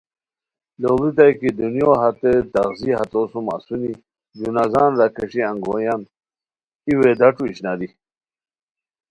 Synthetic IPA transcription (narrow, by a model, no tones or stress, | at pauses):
lolit̪̬ajkid̪unjoɦat̪et̪aɣziɦat̪osuma̰suni | d͡ʑunazaːnɾakeʂiãŋɡo̰ːjan | iwed̪aʈ͡ʂuiɕnad̪i